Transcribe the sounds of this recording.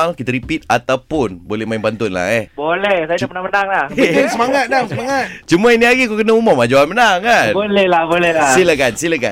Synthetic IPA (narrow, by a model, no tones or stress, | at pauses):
ŋkit̪əɾipit̪̚at̪awpʊnbolɛhmainpant̪ʊnla̰ɦɛhbolɛhsaad͡ʒapənapənaŋlahsəmaŋat̪̚daŋsəmaŋat̪̚t͡ʃumainiaɡikakənaumamad͡ʒawanmənaŋkanbolɛhlahbolɛlasilakansilaka̰